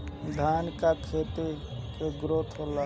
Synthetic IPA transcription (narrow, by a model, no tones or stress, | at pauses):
d̪ʱaːnkakʰeːt̪ikeɡɾot̪ʰɦola